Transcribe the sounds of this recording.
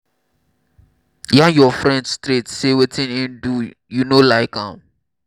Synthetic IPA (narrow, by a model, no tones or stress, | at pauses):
jajɔfɹɛ̃ndstɾetsewetʰĩnĩndu | junolaɪkãm